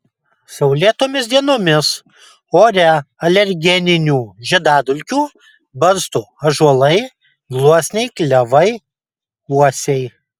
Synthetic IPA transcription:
sɐʊlʲiɛt̪oːmʲɪsd̪ʲiɛnoːmʲɪs | oːɾʲɛɐlʲɛɾʲɡʲɛnʲɪnʲuːʒʲɛd̪ɑːd̪ʊlʲkʲuː | bɐɾst̪uɐʒuɔlˠɐɪ | ɡlˠuɔsʲnʲɛɪklʲɛʋɐɪ | uɔsʲɛɪ

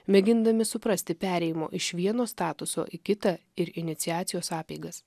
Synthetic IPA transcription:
mʲɛɡʲɪnd̪ɐmʲɪsʊpɾɐsʲt̪ʲɪpʲæːɾʲɛjɪmo̰ːʔɪʃʋʲiɛnoːst̪ɑːt̪ʊso̰ːʔikʲɪt̪ɐ | ɪɾɪnʲɪt̪sʲɪjæːt̪sʲɪjoːsɑːpʲɛɪɡɐs

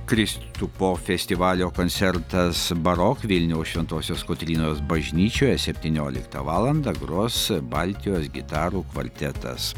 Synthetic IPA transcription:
kɾʲɪst̪upoːfʲɛsʲt̪ʲɪʋɑːlʲoːkoːnʲt̪sʲɛɾt̪ɐsbɐɾoːkʋʲɪlʲnʲɛʊʃʲʋʲɛnt̪oːsʲoːskoːt̪ʲɾʲiːnoːsbɐʒʲnʲiːt͡ʃʲoːjɛsʲɛpʲt̪ʲiːnʲoːlʲɪ̰kt̪ɐʋɑːlˠɐnd̪ɐɡɾoːsbɐlʲt̪ʲɪjoːsɡʲɪt̪ɑːɾuːkʋɐ̰lʲt̪ʲɛt̪ɐ̰s

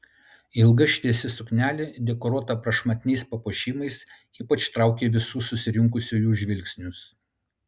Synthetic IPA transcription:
ɪlˠɡɐʃʲt̪ʲiɛsʲɪsʊknʲæːlʲeːd̪ʲɛkɔɾuɔt̪ɐpɾɐʃmɐt̪ʲɪnʲɛɪspɐpuʃʲiːmɐɪs | iːpɐt͡ʃt̪ɾɑˑʊkʲeːʋʲɪsuːsʊsʲɪɾʲɪŋkʊsʲuːjuːʒʲʋʲɪlʲksʲnʲʊs

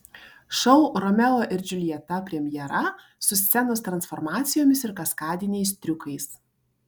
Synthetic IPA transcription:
ʃɐʊɾɔmʲɛlˠoːʔɪɾd͡ʒʲʊlʲiɛt̪ɐpʲɾʲɛmʲjɛɾɐ | sʊsʲsʲɛnost̪ɾɐnsfɔɾmɑːt̪sʲɪjoːmʲɪsɪɾkɐskɑːd̪ʲɪnʲɛɪst̪ʲɾʲʊkɐɪs

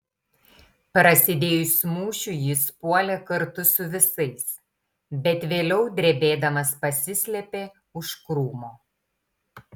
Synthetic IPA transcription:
pɾɐsʲɪd̪ʲeːjʊsʲmuːʃʲʊjɪspuɔlʲɛkɐɾt̪ʊsʊʋʲɪsɐɪs | bʲɛt̪ʋʲeːlʲɛʊd̪ʲɾʲɛbʲeːd̪ɐmɐspɐsʲɪsʲlʲɛpʲeː | ʊʃkɾuːmoː

